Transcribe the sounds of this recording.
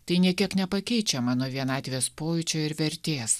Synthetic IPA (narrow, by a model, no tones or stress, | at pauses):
t̪ɐɪnʲiɛkʲiɛknʲɛpɐkʲɛɪt͡ʃʲɛmɑːnoːʋʲiɛnɑːt̪ʲʋʲeːspoːjʊt͡ʃʲoːɪɾʋʲɛɾʲt̪ʲeːs